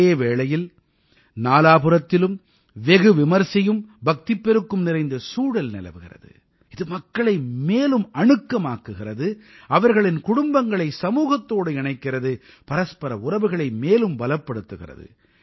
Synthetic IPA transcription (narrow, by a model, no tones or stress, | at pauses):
eːʋeːɭɐjɪl | naːlaːpɯɾɐt̪ːɪlɯm | ʋɛɣɯʋɪmɐɾsɐjɯmbɐk̚t̪ɪpːɛɾɯkːɯmnɪrɐɪnd̪ɐsuːɽɐlnɪ̰lɐ̰ʋɯɣɪ̰rɐ̰ðɯ̰ | ɪðɯmɐkːɐɭɐɪmeːlɯmɐɳɯkːɐmaːkːɯɣɪrɐðɯɐʋɐɾɣɐɭɪnkʊɽʊmbɐŋɡɐɭɐɪsɐmuːɣɐt̪ːoːɽɯɪɳɐɪkːɪrɐðɯ | pɐɾɐspɐɾɐ̰ʊrɐʋɯɣɐɭɐɪmeːlɯmbɐlɐpːɐɽɯt̪ːɯɣɪ̰rɐ̰ðɯ̰